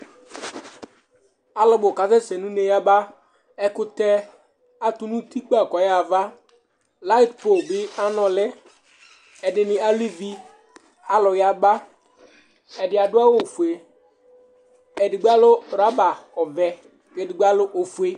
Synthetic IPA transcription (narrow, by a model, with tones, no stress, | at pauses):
a˨lɔ˨bʊ˨ka˨zɛ˦sɛ˨nũ˦ne˨ja˦ba˦ | ɛ˦kʊ˦t̪ɛ˦ | a˦tʊ˦nũ˦t̪i˦k͡pa˦˨kɔ˨ja˨va˦ | la˦ɪ˦tpo˨bɪ˦a˦nɔ˨lɛ˦ | ɛ˨dɪ˨nɪ̃˨a˦li˦vi˦ | a˨lʊ˨ja˦ba˦ | ɛ˨dɪ˨a˨dʊ˦a˦wo˨fu˨e˨ | ɛ˨dɪ˨ɡ͡ba˦lʊ˦˨ɾa˦ba˨ɔ˨vɛ˨ | kɛ˨dɪ˨ɡ͡ba˦lʊ˦ʔo˨fu˨˦e˦